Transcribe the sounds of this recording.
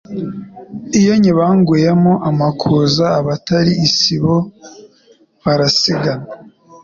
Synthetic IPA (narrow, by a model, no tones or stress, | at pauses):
ijo̞ɲiβaːŋɡwujemoʔamakʰuzaːβataɾiːsiβo | βaɾasiɡana